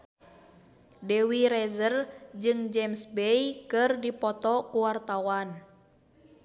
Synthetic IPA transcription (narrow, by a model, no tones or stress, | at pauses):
dɛwiɾɛzərd͡ʒɨŋd͡ʒɛmsbɛjkɨrdipɔt̪ɔkuwart̪awan